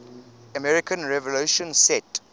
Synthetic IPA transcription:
əmɛɹikə̃nɹɛvɔluʃɔ̃nsɛt

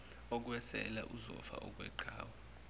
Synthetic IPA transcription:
ɔk̬ʼwɛsɛlaʔuzɔ̰fa̰ʔɔk̬ʼwɛ̰ǃʱaːwa

